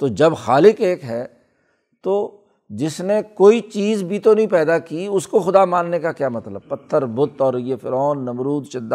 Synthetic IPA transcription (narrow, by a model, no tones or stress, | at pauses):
t̪oːd͡ʒɐbxaːlɪkeːkɦɛː | t̪oː | d͡ʒɪsnekoːit͡ʃiːzbʱit̪onɐɦĩpɛːd̪akiʊskoxʊd̪amãːnːekakjaːmɐt̪ləb̚pɐt̪ʰːəɾbʊt̪ɔːɾjefɪɾɔːnːɐmɾuːd̪ʃɪd̪ːa